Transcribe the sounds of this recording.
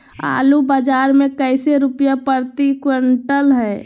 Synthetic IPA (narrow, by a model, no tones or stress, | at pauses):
a̰ːlubad͡ʒaːɾmẽkəɪseɾupjapəɾt̪ikwəɳʈəlɦɛː